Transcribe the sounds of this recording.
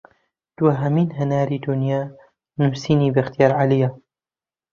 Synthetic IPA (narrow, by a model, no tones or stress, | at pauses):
d̪̥wɐɦɐmiːnɦɐnaːɾiːd̪ʊnjaː | nuːsiːniːbɐxt̪ijaːɾʕalija